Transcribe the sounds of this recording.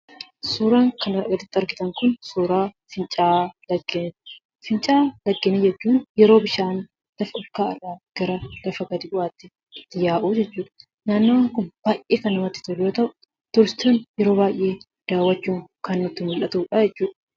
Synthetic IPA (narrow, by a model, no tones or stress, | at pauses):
suːɾaːŋkɐnɐɾɐ̰ɡɐd̪ɪt̪ːɪɐɾɡɪt̪ɐŋkʊnsuːɾaː | fɪnt͡ʃʼaːlɐɡeːn | fɪnt͡ʃʼaːlɐɡːeːned͡ʒɛt͡ʃːuːnjɛɾo̞ːbɪʃaːn | lɐfɐɔlkaːɪ̰rːaːɡ̥ɐɾɐlɐfɐɡɐd̪ɪʔʊaːt̪ːɪ | ɪt̪ːɪjaːʔuːd͡ʒɛt͡ʃːuːᶑɐ̥ | naːnːoːaːŋkʊnb̥aːjʔeːkɐnːɐmɐt̪ːɪ̥t̪ʊljoːt̪ɐʔʊ | t̪ɔɾɪst̪oːnjɛɾo̞ːbaːjʔe̞ː | d̪̥aːwːɐt͡ʃːuːŋkɐnːʊt̪ːɪmʊlʔɐt̪uːᶑɐd͡ʒɛt͡ʃːuːᶑɐ̥